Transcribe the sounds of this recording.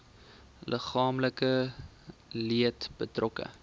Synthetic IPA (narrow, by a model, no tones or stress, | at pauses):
lʔəχɑːmləkə | liətb̥ətrʔɔkə̰